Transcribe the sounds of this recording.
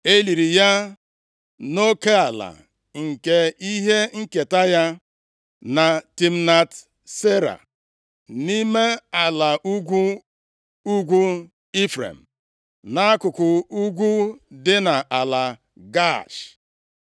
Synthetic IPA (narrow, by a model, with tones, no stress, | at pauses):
e˦li˨ɾi˨ja˦ | no˦ke˦a˨la̰˨ | ŋ̩˨ke˨i˦ɦe˦ŋ̩˦ke˨ta˦ja˦ | na˨ti˨m̩˦na˨t | se˦ɾa̰˨ | ni˦me˦a˨la˨˦ɡ | u˦ɡʷu˦ | i˦fɾḛ˨m̩˨ | na˦a˦kʊ˨kʊ˨u˦ɡʷu˦dɪ˦na˨ʔa˨la˨ | ɡa˦˨ʃ